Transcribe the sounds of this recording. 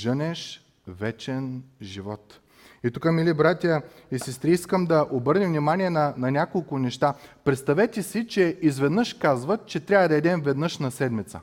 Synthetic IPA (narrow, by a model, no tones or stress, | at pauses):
ʒənɛʃ | vɛt͡ʃɛnʒivɔt̪ | it̪ukəmilibɾat̪ʲjə | isɛst̪ɾiiskəmd̪ɐʔobɤɾnivnimanʲiɛnɐnɐnʲakolˠkʊnɛʃt̪apɾɛt̪st̪ɐvɛt̪ʲɛsit͡ʃɛizvɛd̪nɤʃkazvət͡ʃɛt̪ɾʲavəd̪ɐɛd̪ɛmvɛd̪nɤʃnɐsɛd̪mit̪sə̰